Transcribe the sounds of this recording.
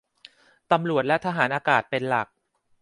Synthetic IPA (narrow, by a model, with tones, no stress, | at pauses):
t̪a˧mɾu˨˩ət̪̚lɛ˦˥t̪ʰaː˧ɦaː˩˦nʔaː˧kaː˨˩t̪̚pe˧nla˨˩k̚